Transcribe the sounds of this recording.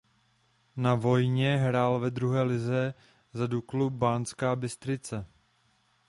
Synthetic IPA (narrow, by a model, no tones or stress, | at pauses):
navo̞jɲɛɦɾaːlvɛd̪ɾuɦɛːlɪzɛ | zaduklubaːnskaːbɪst̪ɾɪt͡sɛ